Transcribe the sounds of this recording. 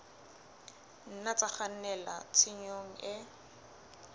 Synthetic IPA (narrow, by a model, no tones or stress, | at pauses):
n̩nat͡sʼaχan̩nɛla̰t͡sʰɪɲoŋ̩ɪ